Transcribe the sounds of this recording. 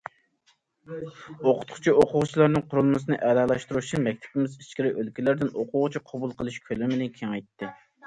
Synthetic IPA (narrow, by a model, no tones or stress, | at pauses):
oqʰʊ̥t̪χʊ̥t͡ʃʰioqʊʁʊt͡ʃʰilˠɑɾnɨŋqʰʊɾulˠmɨsɨnɨʔɛlɑlˠɑʃt̪uɾuʃɨmɛk̚ʲt̪ʰɪ̥pɪmɪzi̥ʃkʲɪɾɪʔølkʲilɪɾd̪ɪnoqʰʊʁʊt͡ʃʰiqʰɑbulˠqʰəlˠɨʃkʲʰølɪmɪnɪnkʲʰeŋɛjt̪ʰːɪ